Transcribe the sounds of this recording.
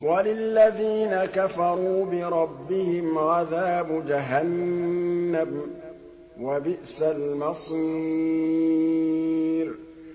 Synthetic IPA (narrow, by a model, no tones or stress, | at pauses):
walɪlːaðiːnakafɑɾˤuːbɪɾˤɑbːɪhɪmʕaðaːbd͡ʒaɦanː | am | wabɪʔsalmɑsˤi | ɾ